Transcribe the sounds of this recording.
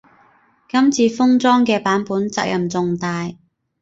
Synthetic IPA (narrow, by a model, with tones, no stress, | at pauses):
kɐ˥mt͡sʰiː˧fʊ˥ŋt͡sɔː˥ŋkɛː˧paː˨˥npuː˨˥nt͡sa̰ː˧k̚jɐ˨˩mt͡sʊ˨˧ŋt̪aː˧j